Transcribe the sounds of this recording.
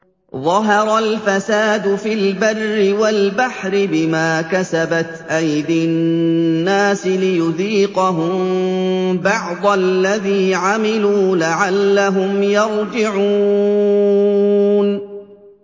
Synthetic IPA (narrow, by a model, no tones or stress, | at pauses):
ðˤɑɦɑɾˤɑlfasaːd̪ʊfilbɑrːɪwalbaħɾɪbɪmaːkasabat̪ʔajd̪ɪnnːaːsɪlɪjʊðiːqɑɦʊm | bɑʕd̪ˤalːaðiːʕamɪluːlaʕalːaɦʊmjɑɾˤd͡ʒɪʕuː | n